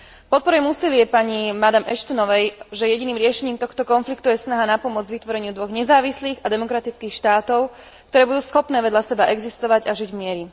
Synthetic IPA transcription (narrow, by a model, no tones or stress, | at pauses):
pɔt̪̚pɔɾujɛmuːsilɪɛpaɲimad̪amʔɛʃt̪ɔnɔʋɛjʒɛjɛɟiniːmɾɪɛʃɛɲiːmt̪ɔxt̪ɔkɔnflikt̪ujɛsnaɦanapɔmʊɔd͡zd͡ʑʋit̪ʋɔɾɛɲɪud̪ʋɔɣɲɛzaːʋisliːɣad̪ɛmɔkɾat̪it͡skiːxʃt̪aːt̪ɔʊ | kkt̪ɔɾɛːbud̪uːsxɔpnɛːʋɛd̪ʎasɛbaʔɛɡzist̪ɔʋaɟaʒiɟvmɪɛɾi